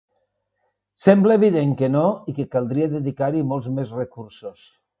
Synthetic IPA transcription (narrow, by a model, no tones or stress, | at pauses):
sɛmbləːβ̞iðeŋkənoikekalˠd̪ɾieðəðikaɾimolˠzmezrekuɾsos